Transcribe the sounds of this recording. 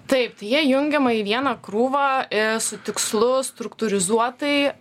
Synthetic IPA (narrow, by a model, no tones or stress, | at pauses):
t̪ɐɪpt̪ɐɪjiɛjʊŋʲɡʲɛmɐiʋʲiɛnɐkɾuːʋɐːɪsʊt̪ʲɪkslˠʊst̪ɾʊkt̪ʊɾʲɪzuɔt̪ɐɪ